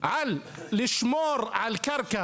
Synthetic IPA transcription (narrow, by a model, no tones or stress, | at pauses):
ʕalː | ɪʃmoːɾˤʕalkɑɾˤka